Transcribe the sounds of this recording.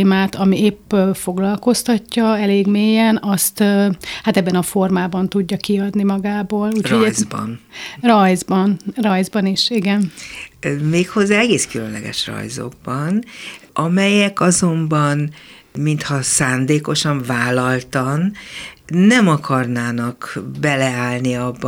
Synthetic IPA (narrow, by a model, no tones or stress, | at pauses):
maːt̪ɒmieːpːøfo̞ɡlɒlko̞st̪ɒcːɒɛleːɡmeːjɛnɒst̪ːhat̪ɛbːɛnɒfo̞rmaːbɒnt̪uɟːɒkiɒd̪nimɒɡaːboːluːcho̞ɟɛb̰nrɒjzbɒnrɒjzbɒniʃiɡɛn | meːkho̞zːaːɛɡeːskylønlɛ̰ɡɛ̰ʃrɒ̰jzo̰ɡ̚bɒnʔɒmɛjɛkɒzo̞mbɒn | mint̪hɒsaːnd̪eːko̞ʃɒɱvaːlɒlt̪ɒnː | ɛmɒkʰɒrnaːnɒkbɛlɛaːlniɒbː